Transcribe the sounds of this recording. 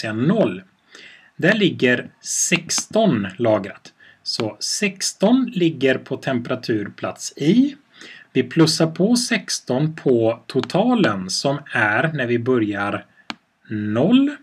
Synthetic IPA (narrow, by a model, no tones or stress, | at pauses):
eannɔlː | d̪æɭɪɡːəɾsɛkst̪ɔnlɑːɡɾat̪ | sɔsɛkst̪ɔnlɪɡːəɾpʰɔt̪ʰɛmpɛɾat̪ʰʉ̟ːɾpʰla̰t̪sɪ | vɪpʰlɵsːaɾpʰɔsɛkst̪ɔnpʰɔt̪ʰʊt̪ʰɑːlənsɔmæɾnæɾvɪbœɾjaɾ | nɔlː